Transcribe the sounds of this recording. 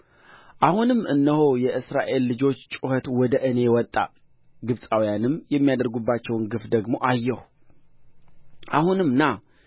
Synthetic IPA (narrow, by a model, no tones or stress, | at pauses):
ʔahunɨmːɨnːəhojɛʔɨsɾaʔe̞lːɨd͡ʒo̞t͡ʃːt͡ʃʼuhət̪wɔd̪əʔɨne̞wɔt̪ʼːa̰ | ɡɨβsʼawijanɨmːjɛmːijad̪əɾɡubːat͡ʃːɛwnɡɨfd̪əɡmo̞ʔajːɛhu | ʔahunɨmːna